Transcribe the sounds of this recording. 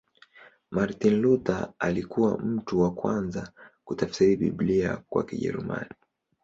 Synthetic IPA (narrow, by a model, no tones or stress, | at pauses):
maɾtinlutaalikuwam̩tuwakwanzakutafsiɾiɓḭbliakwa̰kiʄɛ̰ɾuma̰ni